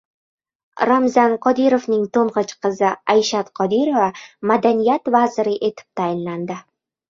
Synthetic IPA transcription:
ɾamzanqʰɒd̪iɾovnɪŋt̪ʰoɴʁɨt͡ʃqʰɨzɪajʃat̪qʰɒd̪iɾovamad̪anijat̪vazɪɾɪʔe̞t̪ʰɪ̥p̚t̪ʰajɪnland̪ɪ

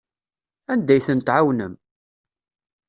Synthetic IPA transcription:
ænd̪æjθənt̪ʕawnəm

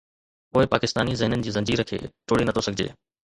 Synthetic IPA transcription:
ʊːɪpaːkɪst̪aːnizɐɦɪnənɪ̆d͡ʑiːzɐ̃ɲd͡ʑiːɾəkʰḛːʈoːɽinɐt̪ʰosɐɡʱɪd͡ʑḛː

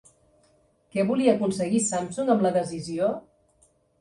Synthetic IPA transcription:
kɛβuliəːkunsəɣisamsuŋəmləðəzizio

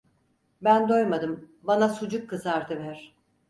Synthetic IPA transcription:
bænd̪o̞jmad̪ɯm | banasud͡ʒukʰːɯzaɾd̪ɯvæɾ̥

